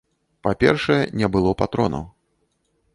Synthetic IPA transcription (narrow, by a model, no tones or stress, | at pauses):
papʲɛrʂɐjɛnʲɛbɨlˠɔpat̪ɾɔnɐ̰w